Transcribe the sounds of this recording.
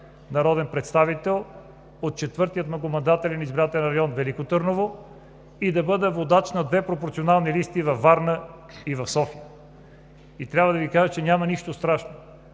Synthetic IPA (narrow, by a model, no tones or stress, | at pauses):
nɐɾɔd̪ɛnpɾɛt̪st̪avit̪ɛlˠ | ot̪̚t͡ʃɛt̪vɤɾt̪iət̪nɐkomɐnd̪at̪ɛlʲɛnizbɾat̪ɛlɛnɾɐjɔnvɛlikot̪ɤɾnovo | id̪ɐbɤd̪əvod̪at͡ʃnɐd̪vɛpɾopoɾt̪sionalˠnilist̪ivɐfːaɾnə | ivɐfsɔfijə | it̪ɾʲjabvəd̪ɐvikaʒət͡ʃɛnʲamɐniʃt̪ost̪ɾaʃno